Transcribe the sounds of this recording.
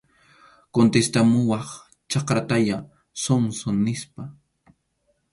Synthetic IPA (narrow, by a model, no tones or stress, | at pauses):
kont̪est̪amʊwɑχ | t͡ʃɑqɾat̪aʎa | somsoŋnɪspa